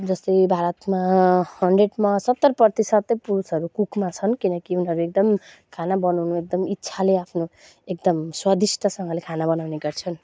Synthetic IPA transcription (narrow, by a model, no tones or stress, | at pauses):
d͡zʌst̪ʌjbʱaɾʌt̪mahʌɳɖreɖmasʌt̪ːʌrprʌrt̪isʌt̪ːʌpuɾusʌɾukukʰmat͡sʰʌnkinʌkiunɦʌɾuek̚d̪ʌm | kʰanabʌnawnuek̚d̪ʌmitːsʰaleapʰno | ek̚d̪ʌmswʌd̪isʈʰʌsʌŋɡʌlekʰanabʌnawneɡʌrt͡sʰʌn